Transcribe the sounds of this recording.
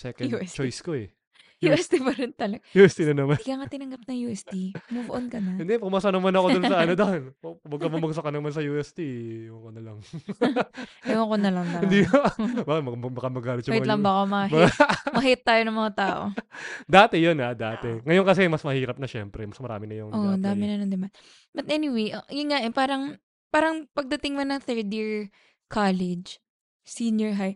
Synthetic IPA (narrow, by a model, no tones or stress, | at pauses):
sɛːkɐdt͡ʃojskoɛ | juɛst̪ipɐɾɪnt̪ɐlɐɡjuːɛst̪inɐnɐmanɪkaŋɐt̪ɪnɐŋɡɐp̚nɐŋjuʔɛst̪imuboʔonkɐnɐɪnd̪ɛpʊmasɐɐnɐmanɐko̞d̪ʊnsɐʔɐnod̪onowɐɡkɐmɐmɐɡsɐkɐnɐmansɐjuːʔɛst̪ijɐkonɐlɐŋ | ɐkonɐlɐŋbaɪnd̪iːkabakɪt̪mɐbɐkɐmɐɡaːlɪt̪̚jʊmɪɐlɐmbɐkomɐbɐmɐhit̪̚ːaːjonɐŋmɐŋat̪aːʔo̰d̪aːt̪ɛjonhad̪aːtʔ̪ɛŋɐjonkɐs̬ɛmɐsmɐhiːɾɐp̚nɐʃɛmpɾɛmɐsmɐɾa̰ːmɪnɐjʊŋʔod̪aːmɪnɐnɐnd̪ɪman | bɐt̪ʔɛnɪwejʔɐɪŋaʔɛpaːɾɐŋ | paːɾɐŋpɐɡ̚d̪ɐt̪ɪŋmɐnɐŋθɛɹd̪iɹ | kʰaːlɛd͡ʒ | sinjɔɹɦaj